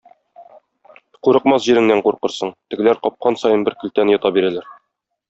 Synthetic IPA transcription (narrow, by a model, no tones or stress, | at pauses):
quɾɤ̆qmɑsʑiɾɘ̆ŋnæɴquɾqɤ̆ɾsɤɴt̪ɘ̆ɡɘ̆læɾqɒp̚qɑnsɒjɤnbɘɾkɵ̆lt̪ænjɒt̪ɑbiɾælæɾ